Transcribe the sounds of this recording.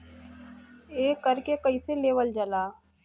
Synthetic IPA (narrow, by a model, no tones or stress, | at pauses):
eːkəɾkekɐiseleːʋəld͡ʒəlaː